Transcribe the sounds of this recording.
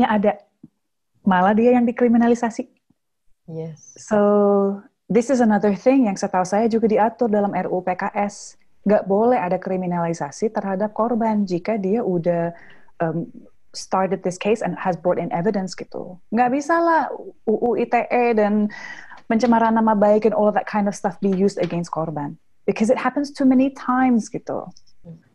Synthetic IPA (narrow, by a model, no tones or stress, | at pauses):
ɲaʔada | maladiajaŋdikɾiminalisasi | jɛso | d̪ɪsɪs̬ənaðərθɪ̃ŋjaŋsət̪ausajad͡ʒuɡadiat̪ʊrdalamɛrupekaʔɛs | ŋɡaʔbolɛhadakɾiminalisasit̪ərhadap̚korband͡ʒikadiaʔudahʔəm | st̪aɹtəd̪̚ðɪskʰesɛ̃nhɛzbɔtɪ̃nʔɛvidənsɡit̪ṵŋɡaʔbisalahuʔuit̪eʔɛdanpəɲt͡ʃəmaɾanːamabaɪkɛ̃nʔɔlɔvðət̚kʰãjndɔfst̪afbijusdəɡɛ̃nst̚kɔrban | bikʰɔs̬ɪt̚hapə̃nstʰumɛnitʰãjmsɡit̪ṵ